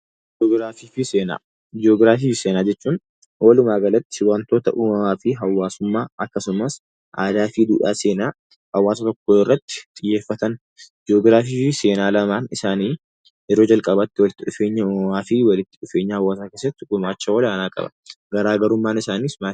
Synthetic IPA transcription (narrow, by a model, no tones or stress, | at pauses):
oɡɾaːfiːfɪseːna̰ː | d͡ʒɪoːɡɾaːfiːseːnaːd͡ʒɛt͡ʃːuːn | hoːlʊmaːɡɐlɐt̪ːɪ̥wɐnt̪o̞ːt̪ɐ̰ʔuːmɐmaːfɪɦɐwːaːsʊmːaːɐkːɐsʊmɐs | ʔaːd̪aːfid̪ṵːᶑaːse̞ːnaː | hɐwːaːsɐt̪ɔkːoːɪrːɐt̪ːɪ̥t̪ʼɪjːeːfːɐt̪ɐn | d͡ʒɪoːɡɾaːfiːɪseːnaːlɐmaːnɪsaːniː | ɛɾoːd͡ʒɐlkʼɐbɐt̪ːɪwɔlɪt̪ːɪᶑʊfeːɲːɐʊɐmaːfɪwɐlɪt̪ːɪ̥ᶑʊfe̞ːɲːɐhɐwːaːs̬aːkeːs̬ːɐt̪ːɪɡʊmaːt͡ʃːɐwɔlaːnaːkʼɐ̰bɐ̥̰ɡɐɾaːɡɐɾʊmːaːnɪsaːniːsmaː